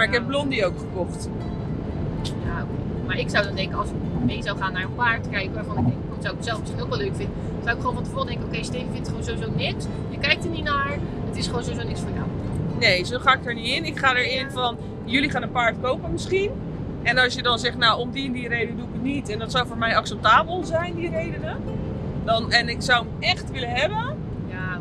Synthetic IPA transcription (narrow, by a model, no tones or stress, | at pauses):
maɹɪkɦɛp̚blɔndiowkχəkɔχt | jaoke | maːɹɪksʌwdɔndɛŋkəɑlˠsɪkmejzawχaːnːaːɹənpaːɹtkɛjɪkɔχoːnədɛŋkəoətsowɪk̚sɛlˠfɪsinokʋɛløɥkfɪndə | sawɪkχoːnfɔntəvoːdɛŋkəowkejstevəvɪntχonzowizownɪks | jəkɛjk̚təninaɹ | ətɪsχʋoːnzowizonɪksfəːɹja̰wnejzoːχaːɪk̚əɹniɪnɪkχaːdəɹɪnfɔn | jɵliχaːnənpaːɹtkowpənmɪsχin | ʔɛnɑsjədɔnzɛχtnawɔmdindirejdənəduəkənitɛndɔtsawvoːɹmɛjɑksɛp̚taːbəlˠzɛjndirejdənə | dɑnɛnɪksawəmɛχtʋɪlənɦɛbə | ja